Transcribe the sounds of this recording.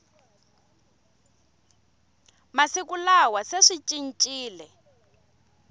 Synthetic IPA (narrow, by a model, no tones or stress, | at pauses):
masikulawaseʂit͡ʃʼin̩t͡ʃʼiːlɛ